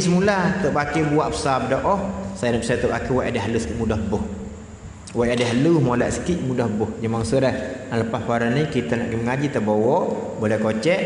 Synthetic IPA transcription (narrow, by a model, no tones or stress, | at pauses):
səmulat̪əʔpakebuaʔpə̥sap̚dɔʔɔhsajanaʔp̚sat̪əpakiwaʔadɛɦalusə̥kit̪mudahbʊh | waʔadɛɦaluhmolaʔsə̥kiʔ̪̚mudahbʊhd͡ʒəmaŋsəɾɛhnaləpaspaɾanikit̪anaʔɡiməŋad͡ʒit̪əbowɔʔ | bolɛhkot͡ʃɛʔ